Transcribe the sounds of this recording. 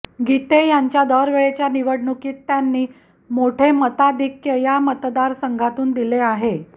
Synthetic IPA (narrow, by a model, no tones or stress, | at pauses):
ɡit̪ejaɲt͡ɕjad̪əɾʋeɭet͡ɕjaniʋəɽɳukiːt̪ːjanːiː | moʈʰemət̪ad̪ikjəjamət̪d̪aɾsəŋɡʱat̪uːnd̪ileaɦe